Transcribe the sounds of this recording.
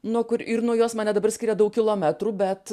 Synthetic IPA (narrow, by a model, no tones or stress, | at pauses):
nuɔkʊɾɪɾnuɔjoːsmɑːnʲɛd̪ɐbɐɾrsʲkʲiːɾʲɛd̪ɐʊkʲɪlˠoːmʲæt̪ɾuːbʲɛt̪